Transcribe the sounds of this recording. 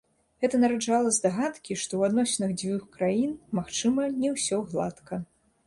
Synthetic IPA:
ɣɛt̪ɐnɐɾad͡ʐalˠɐzd̪aɣat̪kʲiʂt̪ɔwad̪nɔsʲnɨɣd͡zʲvʲuxkɾajinmaxt͡ʂɨmɐnʲɛwsʲɔɣlˠat̪kɐ

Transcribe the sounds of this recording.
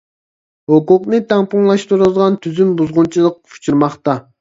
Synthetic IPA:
hʊqʊqnɨt̪ɑŋpuŋlˠɑʃt̪uɾɨld̪ˠʁɑnt̪ʰyzymbuzʁʊnt͡ʃʰilˠəq̚fʰu̥t͡ʃʰuɾmɑχt̪ɑ

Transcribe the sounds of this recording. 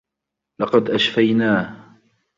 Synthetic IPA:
lɑqɑd̪ʔaʃfajnaːh

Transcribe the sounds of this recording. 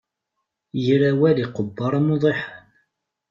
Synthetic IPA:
jəɾæwæliqəbːɑɾˤɑmoðˤeħən

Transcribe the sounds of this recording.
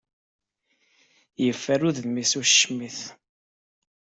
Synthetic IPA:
jəfːæɾuððmisuʃmiθ

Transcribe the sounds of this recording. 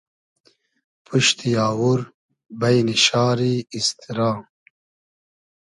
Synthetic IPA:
pʰuʃt̪ijaːwuɾ | bɐjniʃaːɾiist̪ʰiɾaː

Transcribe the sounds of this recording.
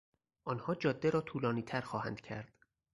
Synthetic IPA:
ʔɒːnhɒːd͡ʒɒːd̪ːeɾɒːt̪ʰuːlɒːniːt̪ʰæɾxɒːhæ̰nd̪̥cʰæɾd̪̥

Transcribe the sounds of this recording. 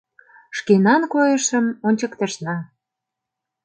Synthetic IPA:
ʃkenɑnkojəʃə̆monʲt͡ɕə̆kt̪ə̆ʃnɑ

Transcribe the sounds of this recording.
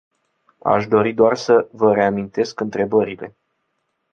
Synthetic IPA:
a̰ʃd̪o̞ɾid̪oarsəvəɾe̞amint̪e̞skɨnt̪ɾe̞bəɾile̞̰

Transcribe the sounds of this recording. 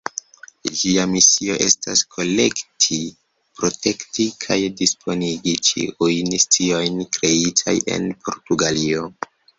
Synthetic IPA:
d͡ʒiamisio̞ʔe̞staskʰo̞le̞ktʰi | pɾo̞tʰe̞ktikʰajdispʰo̞niɡit͡ʃḭʔujnstio̞jnkɾe̞itʰa̰je̞̰npʰo̞̰ɾtuɡalio̞

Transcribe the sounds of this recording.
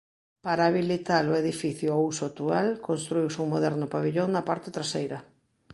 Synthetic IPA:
paɾaːβilit̪aɾʊeðifiθjʊausʊat̪ualkonst̪ɾuiwsuŋmoðɛɾnʊpaβiʎoŋnɐpaɾt̪ɪt̪ɾasejɾɐ

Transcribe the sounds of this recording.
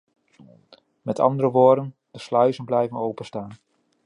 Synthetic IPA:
mɛtɑ̰ndəɾəʋoːdən | d̥əslœɥzənblɛjvənowpənstaːn

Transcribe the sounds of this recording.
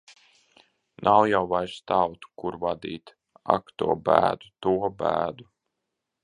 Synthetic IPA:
nʔawjawvajst̪awt̪u̥kuɾvad̪ḭːt̪ | a̰kt̪ṵɔbæ̰ːd̪ut̪uɔbæːd̪u

